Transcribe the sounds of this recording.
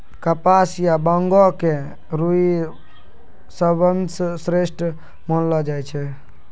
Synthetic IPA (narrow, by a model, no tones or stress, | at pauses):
kəpasjabəŋɡɔke | ɾui | səbənssɾesʈ | mənlɔd͡ʒajt͡ʃʰɛ